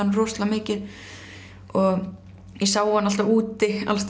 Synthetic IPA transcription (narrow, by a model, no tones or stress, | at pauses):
anːrɔːst̪lamɪːcɪð | ɔɣ | jɛsawhanːalt̪auːt̪ɪa̰lst̪